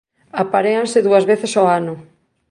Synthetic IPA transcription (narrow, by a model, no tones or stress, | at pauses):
apaɾeansɪðuɐzβeθɪsoanʊ